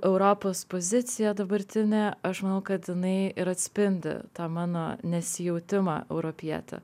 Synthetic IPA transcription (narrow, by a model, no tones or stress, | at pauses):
ʔɛʊɾoːpoːspoːzʲɪt̪sʲɪjɛd̪ɐbɐɾʲt̪ʲɪnʲeːɐʃmɐnɐʊkɐt̪jɪnɐɪɪɾɐt̪ʲsʲpʲɪnʲd̪ʲɪ̰t̪ɑːmɑːnoːnʲɛsʲɪjɛʊt̪ʲɪmɑ̰ːɛʊɾopʲiɛ̰t̪ʲɛ̰